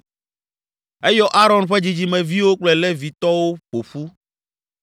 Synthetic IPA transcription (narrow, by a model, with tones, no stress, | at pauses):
ɛ˦jɔ˦ʔa˦ɾɔ̃˨nɸɛ˦d͡ʑi˨d͡ʑi˨mɛ̃˨vi˦wo˦k͡plɛ˨lɛ˦vi˨t̪ɔ˦wo˦ɸo˨ɸu˦